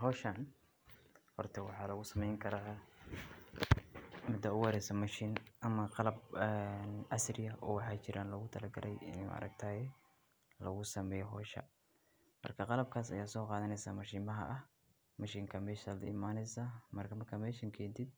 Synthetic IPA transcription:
ɦɔːʃan | hɔ̰rt̪ʰɐwɑħɑːlɐɣʊsɐmɛjŋkʰɐɾa | mɪd̪ɐʊwɑɾɛjsɐmɐʃiːnʔɐmɐqɑlɐb̚ɛnʔɐsrɪjɐʔɔːwɑħɑːt͡ʃɪɾʔaːnlɐɣʊt̪ʰɐlɐɡɐ̰lʔɛjɪ̰nɐ̰ɾɐ̰ɡ̚t̪ʰaːjɛ | lɐɣʊsɐmɛːjɔɦɔːʃɐ̰ | mɐ̰rkʰɐqɑlɐb̚kʰaːsɐ̰jaːsɔːqɑːðɐnɛjsa̰ːmɐʃiːmɐɦɐ̰ʔɐh | mɐʃiːŋkʰɐmɛːʃalɐ̰ɪmaːnɛjsamɐrkʰɐmɐrkʰamɛːʃɪŋkʰɛːnt̪ʰɪd̪̚

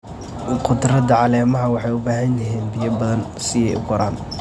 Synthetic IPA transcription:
qʰʊd̪rɐd̪ɐʕɑlɛːmɐɦɐwɑħɑjʊbaːɦɐnjɐɦiːnbɪjɐbɐðɐnsɪjɛjʊ̰ɡɔɾaːn

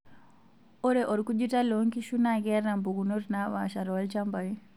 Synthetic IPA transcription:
ɔɾɛʔoɾkud͡ʒitaloŋkiʃunaɡɛɾambuɡunuɾnaʋa̰ʃaɾɔlt͡ʃambaji

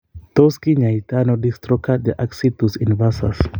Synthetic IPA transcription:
toskiɲajtanodistɾɔkʰat̚d̪iʔaksit̪usinvasa̰s

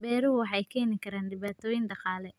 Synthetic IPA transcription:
bɛːɾʊwɑħɑjkʰɛːnɪkʰɐɾaːnɖɪβaːt̪ʰɔːjɪnɖɑqɑːlɛ

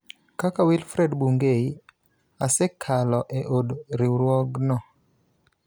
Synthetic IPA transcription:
kakawilfɾɛdbuŋɡei | asɛkʰalɔʔeʔodɾiɾwɔɡnɔ

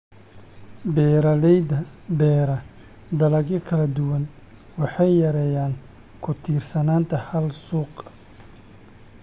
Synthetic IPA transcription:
bɛɾɐlɛjdɐbɛːɾɐ | d̪ɐlɐɡɐkʰɐlɐd̪ʊwɐn | wɑħɑjːɐɾɛjaːn | kʰʊt̪ʰiːrsɐnaːnt̪ʰɐhɐlsuːq

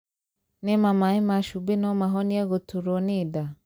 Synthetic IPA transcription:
nemamaimaʃubinɔmaɦɔniɛɣotʰuɾonida

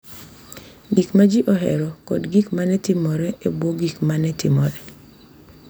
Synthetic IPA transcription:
ɡikmad͡ʒiʔɔɦɛ̰ɾɔkɔ̰dɡikmanɛtɪmɔɾɛebwoɡikmanɛtɪ̰mɔɾɛ

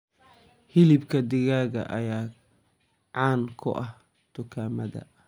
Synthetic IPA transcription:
hɪlɪbkʰɐd̪ɪɣaːɣɐ̰ʔɐjaː | ʕɑːnkʰʊ̰ʔɐh | t̪ʊkʰaːmɐðɐ̰

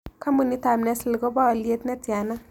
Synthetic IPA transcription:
kʰamunit̪amnaslɡobaːliet̪netana

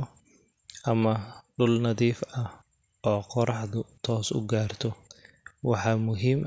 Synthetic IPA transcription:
ʔɐmɐɖʊlnɐðiːfɐ | ʔɔːqɔɾɑħðʊt̪ʰɔːsʊ̰ɡaːrt̪ʰɔ | wɑħɑːmʊɦiːm

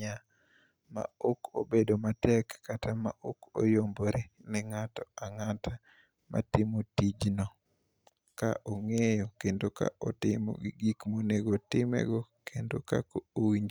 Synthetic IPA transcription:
a | ma̰oko̰bedomatɛkːatama̰ʔoko̰jomboɾenɛŋatɔaŋatʰa | ma̰tɪmotid͡ʒnɔ | ka̰ʔoŋejokendoka̰ʔɔtɪmɔ̰ɡɡikmoneɡotɪmɛ̰ɡɔkendokakoowiɲd͡ʒ

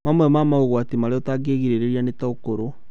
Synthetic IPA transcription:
mamwɛmamauɣwatimaɾeɔtaɡeɣiɾeɾeɾianetaokoɾo

